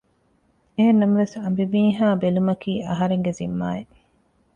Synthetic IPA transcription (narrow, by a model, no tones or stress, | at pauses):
eenːɐmɐʋesɐmbibiːɦaːbelumɐkiːʔɐɦɐɾeŋɡezimːaːe